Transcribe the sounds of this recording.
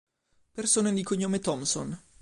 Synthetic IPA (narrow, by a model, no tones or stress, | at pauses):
persoːned̪ikoɲːoːmet̪ɔmso̰n